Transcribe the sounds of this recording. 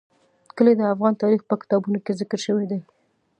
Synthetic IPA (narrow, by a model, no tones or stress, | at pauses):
kəled̪əafɣɑnt̪ɑɾixpəkɪ̥t̪ɑbunokezɪkəɾʃəwed̪a